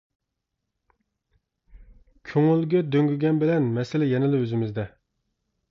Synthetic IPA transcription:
kʲʰøŋylɡʲɛd̪øŋɡʲyɡʲɛnbɪlɛnmɛsɪlɪjɛnɪlɪøzɪmɪzd̪ɛ

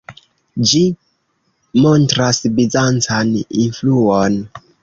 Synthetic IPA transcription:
d͡ʒi | montɾasbizant͡saninfluon

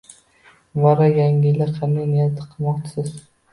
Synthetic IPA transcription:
vaɾajaŋʲɪlaqʰanajnɪjat̪ʰɪ̥qʰɨlˠmɒqt͡ʃʰɪ̥sɪz̥

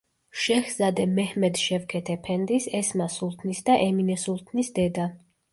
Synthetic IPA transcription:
ʃɛxz̥ad̪ɛmɛhmɛd̪ʃɛvkʰɛt̪ʰɛpʰɛnd̪isɛsmasulˠt̪ʰnisd̪aʔɛminɛsulˠt̪ʰnisd̪ɛd̪a

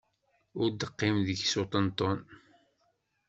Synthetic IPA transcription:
ʊɾd̪əqːɪmðəçsot̪ˤənt̪ˤːɔn

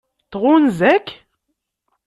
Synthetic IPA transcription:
t̪ʁunzækː

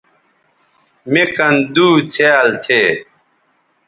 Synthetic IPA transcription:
mekɐnd̪uːt͡sʰealt̪ʰeː

